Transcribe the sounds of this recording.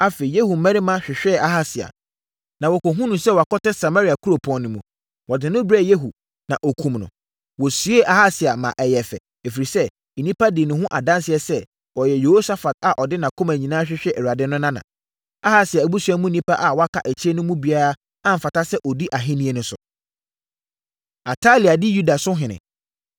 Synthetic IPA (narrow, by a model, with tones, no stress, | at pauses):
a˦fe˨i˨je˦hu˨mɛ̃˦ɾɪ˦mã˦ɕᶣɪ˨ɕᶣɛ˦˨a˦ɦa˦sɪ˨a̰˨ | nã˨wɔ˨kɔ˨ɦũ˦nʊ̃˨sɛ˦wɔ˨a˨kɔ˦tɛ˦sa˨ma˦ɾi˨a˨kʰu˦ɾo˨pʰɔ̃˨nːʊ̃˨mũ˨ | wɔ˨dɪ̃˨nʊ̃˦bɾɛ˦˨je˦ɦu˨ | nã˨ʔɔ˨kʰũ˨mnʊ̰̃˨ | wɔ˨su˨˦e˦ʔa˨ha˦sɪ˨a˨mã̰˨ʔɛ˨jɛ˨fɛ̰˨ | e˨fi˨ɾi˨sɛ˦ | i˨nĩ˦pa˦dɪ˨nʊ̃˨ɦʊ̃˦ʔa̰˨dã˦nsɪ˨ɛ˨sɛ˦ | wɔ˨jɛ˨je˨ho˦sa˦fa˨t̚a˨ʔɔ˨dɪ˦nã˨kʰʊ̃˦mæ˨ɲĩ˨nãː˦ɕᶣɪ˦ɕᶣɛ˦ʔɛ˨ɾu˨a˨dɪ̃˦nʊ̃˦nã˦nã̰˨ | a˦ha˦sɪ˨a˨æ˨bu˦su˦a˦mũ˦nĩ˦pa˦ʔa˨wɔ˨˦a˦kʰa˨ʔæ˨t͡ɕʰɪ˦e˦nʊ̃˦mũ˦bi˨˦a˦ɾa˦ | ã˦m̩˨fa˨ta˦sɛ˦ʔɔ˨di˦ʔa˨ɦɪ̃˦nĩ˦e˦nʊ̃˦sʊ̰˨ | a˨tʰa˦li˨a˨dɪ˦ju˦da˨sʊ̃˦ɦɪ̃˨nɪ̰̃˨